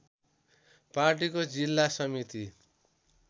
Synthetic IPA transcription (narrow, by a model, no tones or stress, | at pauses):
parʈ̬ikod͡zilːasʌmit̪i